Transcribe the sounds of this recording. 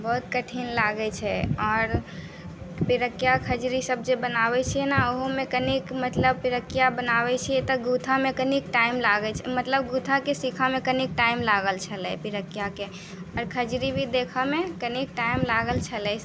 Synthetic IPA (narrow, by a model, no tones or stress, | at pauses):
bɔɦut̪kəʈʰinlaɡɛt͡ʃʰɛɔːɾ | piɾəkːjakʰəd͡ʒɾisəb̚ʱd͡ʒebənaβɛt͡ʃʰijɛnaoɦomekənikmət̪ləb̚piɾəkːijabənabɛt͡ʃʰijɛt̪ɔɡut̪ʰamekənikʈaimlaɡɛt͡ʃʰɛmət̪ləbɡut̪ʰakesikʰamekənik̚ʈaimlaɡəlt͡ʃʰəlɛpiɾəkijake | ɔɾkʰəd͡ʒɾibʱid̪ekʰəmekənik̚ʈaimlaɡəlt͡ʃʰəlɛ